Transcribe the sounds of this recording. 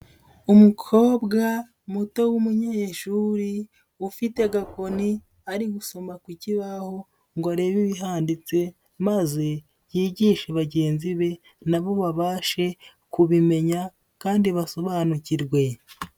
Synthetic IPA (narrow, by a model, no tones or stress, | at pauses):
umukʰo̞ːbɡa | muto̞wumuɲajeʃuɾi | ufite̞ɡako̞ni | aɾiɡuso̞makwiciβaho̞ | ŋɡoaɾe̞βiβiɦaːndit͡se̞ | maze̞ | jiːɟiːʃeβaɟe̞ːnziβe̞ | naβo̞βaβaːʃe̞ | kuβime̞ɲa | kaːndiβaso̞βaːnuciɾɡwe̞